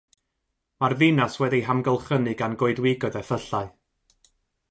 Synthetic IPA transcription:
marvɪnaswɛdiɦamɡəlˠχənɨɡanɡɔɨdwɪɡɔðɛfəɬaɨ

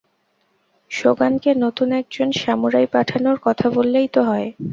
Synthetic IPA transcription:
ʃoɡankenot̪unɛk̚d͡ʑonʃamuɾajpaʈʰanoɾkɔt̪ʰabolːejt̪oɦɔe

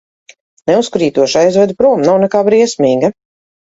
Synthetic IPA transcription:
nɛuskɾiːt̪uɔʃajzvɛd̪upɾuɔmnawnɛkaːbɾiɛsmiːɡa

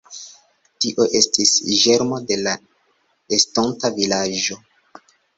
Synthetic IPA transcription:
tiʔo̞ʔe̞stisʒe̞ɾmo̞de̞la | estontavilad͡ʒo̞

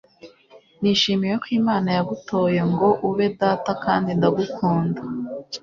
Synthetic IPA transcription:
niːʃiːmijokwiːmaːnajaɡuto̞ːjeŋɡo̞ʔuβe̞daːtakʰaːndindaɡukuːnda

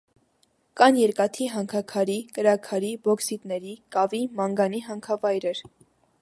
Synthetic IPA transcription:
kɑnjɛɾkɑt̪ʰiɦɑŋkʰɑkʰɑɾikəɾɑkʰɑɾibɔksit̪nɛɾikɑvimɑŋɡɑniɦɑŋkʰɑvɑjɾɛɾ

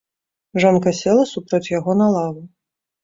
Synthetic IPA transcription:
ʐankɐsʲɛlˠɐsupɾɔt͡sʲjaɣɔnalˠavɨ

